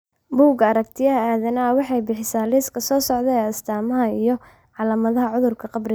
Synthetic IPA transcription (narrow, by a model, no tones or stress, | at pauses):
buːɡɐɐɾɐk̚t̪ʰɪjɐɦɐaːðɐnɐwɑħɑjbɪħɪsaːlɪːskʰɐsɔːsɔʕd̪ɛɛːɐst̪ʰaːmɐɦɐijɔ | ʕɑlaːmɐðɐɦɐʕʊðʊrkʰɐqɑbrɪ